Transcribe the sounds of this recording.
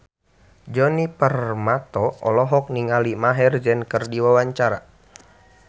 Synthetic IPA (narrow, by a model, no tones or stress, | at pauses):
d͡ʒɔnipərmat̪ɔɔlɔɦɔk̚niŋalimaɦɛrd͡ʒənkərdiwawaɲt͡ʃaɾa